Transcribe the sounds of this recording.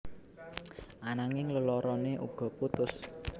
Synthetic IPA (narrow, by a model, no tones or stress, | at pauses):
ʔanaŋɪŋləlɔɾɔneʔṵɡ̥ɔ̤put̪ʊs